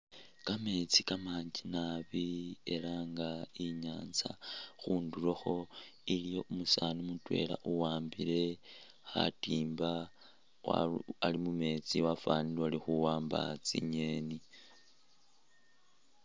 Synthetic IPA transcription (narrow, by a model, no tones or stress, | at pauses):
kame̞t͡sikamaːɲd͡ʒinaβie̞laŋɡaiɲaːnza̰xuːnduloxo̞ilijo̞umusanumutwe̞̰la̰ʔuwaːmbile̞ | xa̰tiːmba | wa̰alimume̞t͡siwafaːniloalixuwaːmba̰t͡sḭɲe̞ni